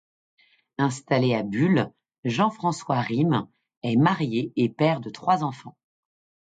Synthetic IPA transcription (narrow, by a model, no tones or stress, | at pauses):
ɛ̃st̪aleabyl | ʒɑ̃fχɑ̃swaʁim | ɛmaʁjeːpɛʁd̪ət̪χwazɑ̃fɑ̃